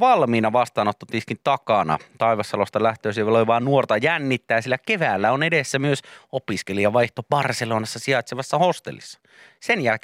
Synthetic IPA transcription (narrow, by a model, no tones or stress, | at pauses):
ʋɑlmiːnɑʋɑst̪ɑːnot̪ːot̪ːiskint̪ɑkɑnɑ̰t̪ɑiʋɑsːɑlost̪ɑlæht̪øːsʋeloiʋɑːnnuort̪ɑjænːit̪ːæːsielːækeʋæːlːæonedesːæmyøsopiskeliɑʋɑiht̪ob̥ɑrseloːnɑsːɑsiɑt̪seʋɑsːɑhost̪ḛlːḭsːɑ̥ | senjælke